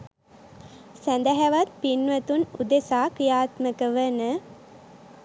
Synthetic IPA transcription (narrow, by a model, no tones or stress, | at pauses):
sænd̪æɦæʋat̪̚pinʋət̪unud̪esaːkɾijaːt̪məkəʋənə